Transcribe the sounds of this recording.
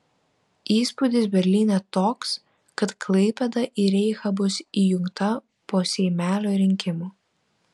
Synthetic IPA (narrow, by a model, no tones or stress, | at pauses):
iːspʊd̪ʲɪsbʲɛɾʲlʲiːnʲɛt̪oːks | kɐt̪klˠɐɪpʲɛd̪ɐʔiɾʲɛɪxɐbʊsiːjʊŋkt̪ɐ | poːsʲɛɪmʲæːlʲoːɾʲɪŋʲkʲɪmuː